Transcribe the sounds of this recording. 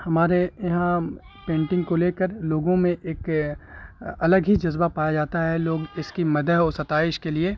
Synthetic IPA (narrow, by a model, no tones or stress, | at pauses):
hɐmaːɾejɐɦã | pẽːɳʈɪ̃ŋɡkoleːkəɾloːɡõmẽʔeːk | ɐləɡɦid͡ʒɐzbapaːjad͡ʒaːt̪aɦɛloːɡɪskimɐd̪əɦɔːɾsɐt̪aːɪʃkelie